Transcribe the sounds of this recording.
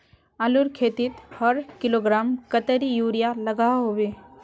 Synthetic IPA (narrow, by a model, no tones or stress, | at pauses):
alʊɾkʰeːt̪ɪt̪hɐɾkɪloːɡɾaːmkət̪əɾijuːɾijalɐɡaɦoweː